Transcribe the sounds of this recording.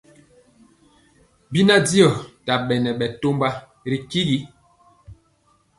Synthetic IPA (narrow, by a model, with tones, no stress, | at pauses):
bi˦na˦di˦ɔ˨ta˨ɓɛ˨nɛ˨ɓɛ˨to˦mba˦ | ɾi˨ki˦ɡi˦